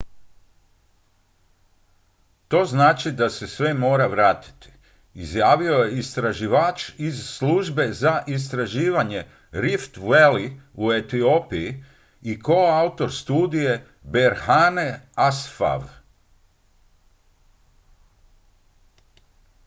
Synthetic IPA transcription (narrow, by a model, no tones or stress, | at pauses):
t̪o̞ːznaːt͡ʃid̪ase̞sʋe̞mo̞ːɾaʋɾaːt̪i̥t̪i̥ | izjaːʋio̞je̞ist̪ɾaʒiʋaːt͡ʃizsluʒbe̞zaʔis̬t̪ɾaʒiːʋaɲe̞ | ɾift̪ʋeliue̞t̪io̞piji | ikoaut̪o̞ɾst̪uːd̪ije̞ | be̞ɾhane̞asfa̰ʋ